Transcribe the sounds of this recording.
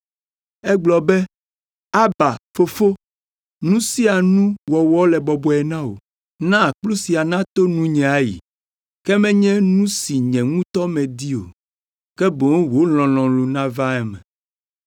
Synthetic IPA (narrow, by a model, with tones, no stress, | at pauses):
ɛ˦ɡ͡blɔ˨bɛ˦ | a˦ba˨fo˦fo˦ | nũ˦si˦a˨nũ˦wɔ˨wɔ˦lɛ˨bɔ˨bɔ˨ɛ˨nã˦wo̰˨ | nã˦˨k͡plu˦si˨a˨nã˦t̪o˦nũ˦ɲɛ̃˨a˨jḭ˨ | kɛ˦mɛ̃˦ɲɛ̃˦nũ˦si˨ɲɛ̃˨ŋũ˦t̪ɔ˦mɛ̃˨d̪i˦o̰˨ | kɛ˦bõ˨ŋ˦wo˨˦l̃ɔ̃˨lɔ̃˨lu˨nã˦va˦ɛ˦mɛ̰̃˨